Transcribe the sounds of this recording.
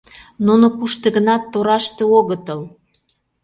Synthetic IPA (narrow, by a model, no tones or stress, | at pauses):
nunokuʃt̪ĕɣənɑt̪ːoɾɑʃt̪ĕoɣət̪ə̆l